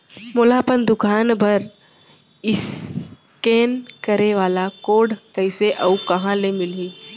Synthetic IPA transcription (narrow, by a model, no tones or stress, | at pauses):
mʊlaːpənd̪ʊkʰaːnbʱɐɾ | ɪs | keːnkəɾeʋaːlakoːɽkəɪseʔɐukɐɦãlemɪlɦiː